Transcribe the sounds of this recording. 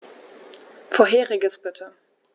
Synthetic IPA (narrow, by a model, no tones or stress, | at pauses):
foːɐɦeːʁɪɡəsb̥ɪtʰə